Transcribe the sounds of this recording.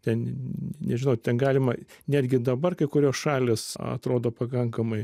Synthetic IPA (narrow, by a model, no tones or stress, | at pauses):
t̪ʲɛnnʲɛʒʲɪnɐʊt̪ʲɛnɡɑːlʲɪmɐnʲæːd̪ʲɡʲɪd̪ɐbɐrkɐɪkʊɾʲoːsʃɑːlʲeːsɐ̰t̪ɾoːd̪oːpɐkɐŋkɐmɐɪ